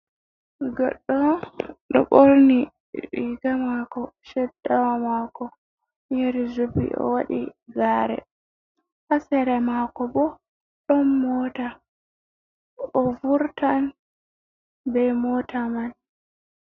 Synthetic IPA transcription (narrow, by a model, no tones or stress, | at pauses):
ɡɔ̰ɗːɔɗɔ̰ɓolni | iɡamakɔʃɛdːawamaːkɔ | ɲeɾizubḭʔɔ̰wa̰ɗiɡaːɾɛ̰ | hasɛɾɛmakɔbɔ | ɗɔnːɔta | ɔvuɾtan | bɛmɔtʰaman